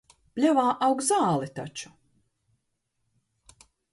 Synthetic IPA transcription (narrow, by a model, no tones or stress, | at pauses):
plʲɛvaːʔawɡzaːlˠit̪a̰t͡ʃu̥